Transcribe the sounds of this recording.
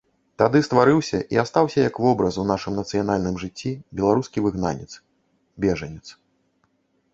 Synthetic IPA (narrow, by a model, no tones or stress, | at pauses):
t̪ad̪ɨst̪vaɾɨwsʲɐʔiast̪awsʲɐjɐkvɔbɾɐsunaʂɨmnɐt̪sɨjan̪alʲnɨmʐɨt͡sʲːibʲɛlˠaɾuskʲivɨɣna̰nʲɛ̰t̪s | bʲɛʐɐnʲɛt̪s